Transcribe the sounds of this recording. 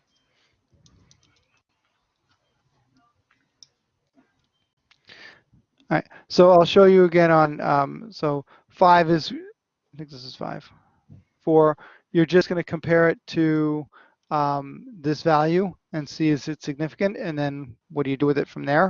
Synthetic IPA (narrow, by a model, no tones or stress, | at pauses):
ɹaɪt̚ | soʊaɪlˠʃoʊjɨːɡɛ̃ñə̃nʌ̰̃msoʊ | faɪvɨz | ɪθɪ̃ŋk̚ðɪsɨz̥fa̰ɪv̥ | fə˞ | jə˞d͡ʒʌsɡ̥ʌnɨkʰɨ̃m̩pʰɛɹɪtʰɨ | ʌ̃mðɪsvælˠjʉɨ̃nsiɨzɨtsɨɡ̚nɪfɨ̥kɨ̃ntɨ̃nðɨ̃nwʌt̚d̥ɨjɨdɨwɨðɨtfɹʌ̃mðə˞